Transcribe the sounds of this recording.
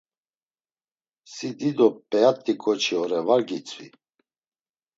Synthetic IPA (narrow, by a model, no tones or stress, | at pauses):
sid̪id̪ɔpʼɛat̪ʼːikʼɔt͡ʃʰiɔɾɛvaɾɡit͡sʼvḭ